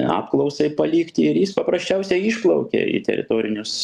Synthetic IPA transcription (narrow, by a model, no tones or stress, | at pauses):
ɑ̰ːpklˠɐʊsɐɪpɐlʲiːkt̪ʲɪɪɾjɪspɐpɾɐsʲt͡ʃʲɛʊsʲɛɪɪʃplˠɐʊkʲḛḭt̪ʲɛ̰ɾʲɪ̰t̪oːɾʲɪnʲʊs